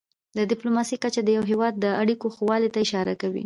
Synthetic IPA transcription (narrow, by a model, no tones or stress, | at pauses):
d̪əd̪ɪplomɑsikat͡ʃad̪əjawɦewɑd̪̚ːəaɽikoxwɑlet̪aɪʃɑɾakawḭ